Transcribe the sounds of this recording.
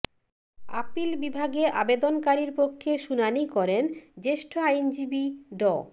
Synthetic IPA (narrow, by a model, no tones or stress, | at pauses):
a̰pilbibʱaɡeʔabed̪onkaɾiɾpokʰːeʃunanikɔɾend͡ʑeʃʈʰoajnd͡ʑibiɖɔ